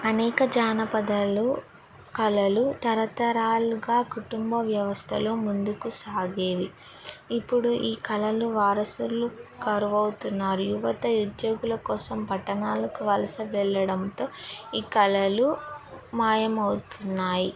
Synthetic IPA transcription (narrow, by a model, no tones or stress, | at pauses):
ɐnɛːkɐd͡ʒaːnɐpɐd̪ɐlu | kɐlɐlut̪ɐɾɐt̪ɐɾaːluɡaːkuʈumbɐʋjɐʋɐst̪ʰɐloːmund̪ukusaːɡe̞ːʋi | ipːuɽuʔiːkɐlɐluʋaːɾɐsulukɐɾuʋɐwt̪unːaːɾujuʋɐt̪ɐud̪jo̞ːɡulɐkɔːsɐmpɐʈːɐnaːlɐkuʋɐlɐsɐʋɛɭːɐɽɐnt̪oːiːkɐlɐlumaːjɐmɐwut̪unːaːji